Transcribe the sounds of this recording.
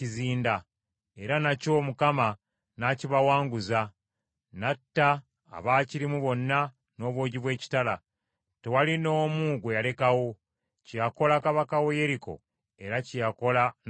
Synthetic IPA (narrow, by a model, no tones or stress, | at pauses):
iziːnda | e̞ɾanaco̞ːmukama | naciβawaːŋɡuza | natːa̰ː | βaːciɾimuβo̞nːa | no̞ːβwo̞ːɟiβwe̞ːci̥tala | te̞walino̞ːmuːɡwejale̞kawo̞ | cijako̞lakaβakawo̞je̞ɾiko̞̰ | e̞ɾacijako̞la